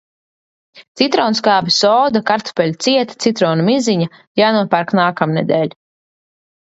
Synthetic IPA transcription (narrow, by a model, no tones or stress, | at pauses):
t̪it̪ɾɔːnskaːbisɔːd̪akaɾt̪ɔ̥pɛlʲt̪siɛt̪ḁt̪sit̪ɾɔːnumiziɲa | jaːnuɔpaɾknaːkamnɛd̪ɛːlʲ